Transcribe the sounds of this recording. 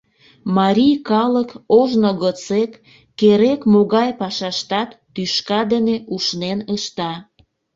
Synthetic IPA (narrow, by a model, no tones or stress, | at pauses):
mɑɾʲijkɑləkoʒnoɣət͡sekː | eɾekmoɣɑjpɑʃɑʃt̪ɑt̪ːyʃkɑd̪əneʔuʃnenəʃt̪ɑ